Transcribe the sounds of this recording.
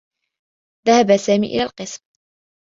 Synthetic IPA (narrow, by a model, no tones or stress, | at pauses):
ðahabasaːmiːʔɪ̰laːlqɨsm